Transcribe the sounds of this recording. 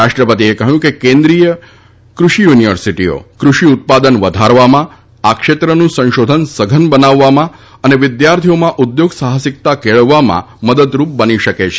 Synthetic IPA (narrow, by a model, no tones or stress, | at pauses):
aʃʈɾəpət̪iekəɦjũkekẽnd̪ɾijə | kɾʊʃijuniʋəɾsiʈio̰kɾuʃiut̪̚pad̪ənʋəd̪ʱaɾʋamã | akʃet̪ɾənũsə̃nʃod̪ʱənsəɡʱənbənaʋːamã | əneʋɪd̪jaɾt̪ʰiomãʔud̪joɡsaɦəsɪk̚t̪akeɭəʋːamã̰məd̪əd̪ɾup̚bəniʃəket͡ʃʰe